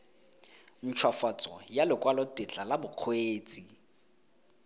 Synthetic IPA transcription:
n̩t͡ʃʰwafat͡sʼɔjalɪkʼwalɔtʼɪt͡ɬalabʊq͡χʰweːt͡sʼi

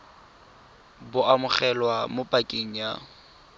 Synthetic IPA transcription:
bʊamʊχɛlwamʊpʼakʼeŋ̩ja

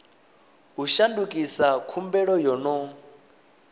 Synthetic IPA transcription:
uʃandukʼisakʰumbɛɺɔjɔnɔ

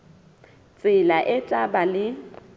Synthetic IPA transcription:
t͡sʼɪlaʔɛtʼabalɪ

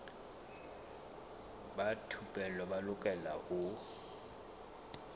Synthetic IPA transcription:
batʰupʼɛlɔbalʊkʼɛlaʔʊ

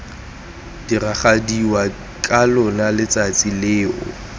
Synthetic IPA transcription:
d̥iraχadiwa | kʼalʊnalɪt͡sʼat͡sʼilɪːʊ̰

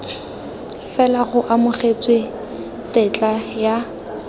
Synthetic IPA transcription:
fɛlaɣʊʔamʊχet͡sʼwɪ | tɛt͡ɬʼaja

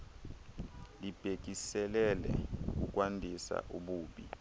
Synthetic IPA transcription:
lib̥ʱek̬isɛlɛlɛ̰uk̬ʼuk̬ʼwandʱisa̰ʔuɓuːɓi

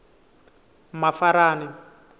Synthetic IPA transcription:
mafaɾaːni

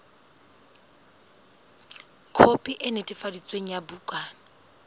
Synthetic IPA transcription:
kʰopʼiʔɪnetʼifadit͡sʼweŋ̩jabukʼaːna

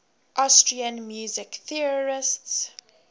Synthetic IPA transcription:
ʔastɹiãnmjuːzɪkθiɔɹɪsts

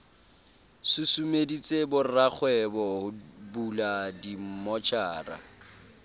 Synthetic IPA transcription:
sʊsumedit͡sʼebʊrak͡xʰwɛbɔhʊbuladim̩mɔt͡ʃʰaːra̰

